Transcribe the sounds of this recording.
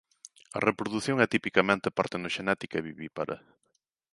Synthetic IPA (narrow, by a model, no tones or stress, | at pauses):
ɐ̰repɾoðuθjoŋɛt̪ipikɐmẽnt̪epaɾt̪enoʃenɛt̪ikɐɛβiβipaɾʔɐ̰